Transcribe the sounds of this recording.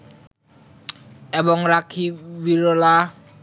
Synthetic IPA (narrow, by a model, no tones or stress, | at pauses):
ɛbɔŋɾakʰiwiɾola